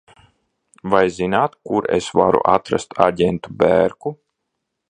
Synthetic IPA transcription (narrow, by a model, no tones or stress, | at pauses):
vajzinaːt̪kuɾḛsvaɾṵʔat̪ɾa̰st̪ʰaɟʲɛnt̪ubæ̰ːɾku